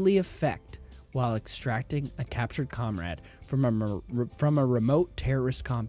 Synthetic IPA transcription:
lˠiɨfɛ̰k̚t̚waɪlˠɨkstɹ̥æk̚tɪ̃ŋɨkʰæp̚t͡ʃə˞d̚kʰɑ̃mɹæ̰d̥ | fɹʌ̃mfɹʌ̃məɹɨmoʊtʰɛɹə˞ɨskʰɑ̃mp

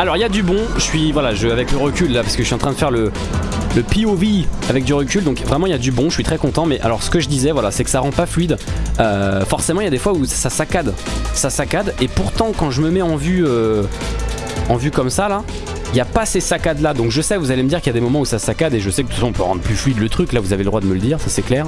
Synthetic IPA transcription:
alɔʁijad̪ybɔ̃ʒəsɥivwalaʒəavɛkləʁəkʲylːapaʁsəkəəʃɥiɑ̃t̪χɛ̃d̪əfɛʁlə | ləpiovijavɛk̚d̪yʁəkʲyld̪ɔ̃kvʁɛmɑ̃iljad̪ybɔ̃ʃəʃɥit̪χɛkɔ̃t̪ɑ̃mɛʔa̰lɔʁsə̥kəʒəd̪izɛvwalasɛkə̥saʁɑ̃paflɥid̪øfɔʁsemɑ̃iljad̪efwaussasakad̪sasakad̪epuʁt̪ɑ̃kɑ̃ʒəməmɛɑ̃vyø | ɑ̃vykɔmsala | iljapasesakad̪lad̪ɔ̃kʒəsɛvuzaleməd̪iʁkiljad̪emɔmɑ̃usasakad̪eʒəsɛkə̥ə̥fasɔ̃ɔ̃pøʁɑ̃d̪ʁəplyflɥid̪lət̪χyklavuzaveləd̪ʁwad̪əmələd̪iːʁsasɛklɛːʁ

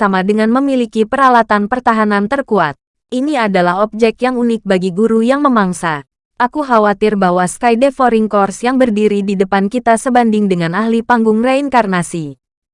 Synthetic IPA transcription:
samadəŋanməmilikipəɾalat̪anpərt̪aɦanant̪ərkuat̪̚ | ʔiniadalaɦɔp̚d͡ʒɛk̚t̪jaŋunɪk̚baɡiɡuɾujaŋməmaŋsa | ʔakuɦawat̪ɪrbawaskajdefɔɾiŋkɔrsjaŋbərdiɾididəpankit̪asəbandɪŋdəŋanahlipaŋɡʊŋraiŋkarnasi

